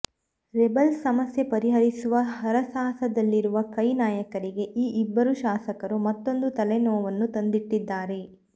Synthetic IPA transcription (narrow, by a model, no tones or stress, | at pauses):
ɾebɐlsɐmɐsjepɐɾiɦɐɾisuʋɐɦɐɾɐsaːsɐd̪ɐlːiɾuʋɐkɐjnaːjɐkɐɾiɡe̞ʔiːʔibːɐɾuʃaːsɐkɐɾumɐt̪ːo̞nd̪ut̪ɐlenɔːʋɐnːut̪ɐnd̪iʈːid̪ːaːɾe̞